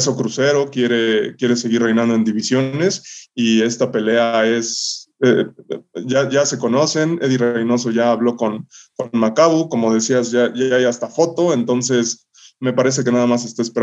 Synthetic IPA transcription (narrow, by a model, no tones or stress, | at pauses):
s̬o̞kɾuse̞ɾo̞kje̞ɾe̞kje̞ɾe̞se̞ɣirrejnãnd̪o̞e̞nd̪iβisjo̞ne̞sie̞st̪ape̞le̞ae̞se | ʝaʝase̞ko̞no̞se̞neðirejno̞s̬o̞ʝaːβlo̞ko̞nko̞nmakaβuko̞mo̞ð̞e̞siazʝaʝaajast̪afo̞t̪o̞e̞nt̪o̞nse̞s | me̞paɾe̞s̬e̞ke̞naðamas̬e̞st̪aespeɾa